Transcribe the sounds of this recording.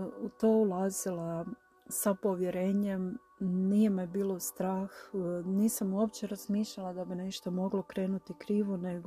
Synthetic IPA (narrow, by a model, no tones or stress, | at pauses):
ut̪oːulˠaːzila | sapo̞ʋjeɾeːɲem | niːjemibiːlˠo̞st̪ɾaːxniːsamuopt͡ɕeɾaz̥miːʃʎalˠad̪abine̞ʃt̪o̞mo̞ɡlo̞kɾe̞ːnut̪ikɾiːʋoneɡo